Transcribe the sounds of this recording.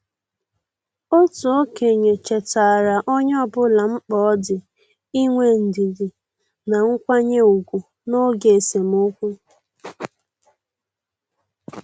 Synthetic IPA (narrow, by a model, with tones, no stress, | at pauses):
o˦tu˨o˦ke˨ɲe˨t͡ʃe˨ta˨ɾa˨ʔɔ˦ɲ˦ɔ˦bʊ˦la˨ŋ͡m̩˦k͡pɔ˨˦ɔ˦dɪ˨ | i˦ŋʷe˦n̩˨di˨di˨ | na˨ŋ̩˦kʷa˦ɲe˦u˨ɡʷu˨ | no˦ɡe˨e˨se˨mo˦kʷu˦